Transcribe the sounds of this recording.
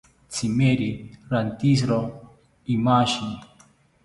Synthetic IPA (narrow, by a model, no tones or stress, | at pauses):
t͡simeɾiɾant̪is̬ɾo | imaʃin